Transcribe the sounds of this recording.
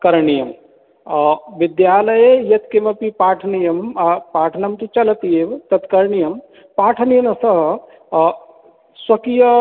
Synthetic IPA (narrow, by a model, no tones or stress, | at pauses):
kɐɾɳijɐm | ʋid̪jaːlɐjejɐt̪kemɐpipaːʈʰɐnijɐmpaːʈʰɐnɐmt̪ut͡ʃɐlɐt̪ijeʋt̪ɐt̪kɐɾɳijɐm | paːʈʰɐnijɐnɐsɐɦɐ | swɐkijɐ